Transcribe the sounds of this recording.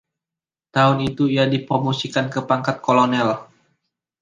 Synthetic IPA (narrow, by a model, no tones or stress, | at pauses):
t̪aʊnit̪uiadipɾomosikankəpaŋkat̪̚kolonɛl